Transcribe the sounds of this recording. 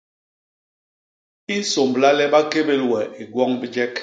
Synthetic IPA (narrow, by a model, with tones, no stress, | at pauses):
i˦n̩˦so˨mbla˦lɛ˦ba˦ke˦be˦lwɛ˨e˨ɡwɔ˦ŋbi˦d͡ʒɛ˦k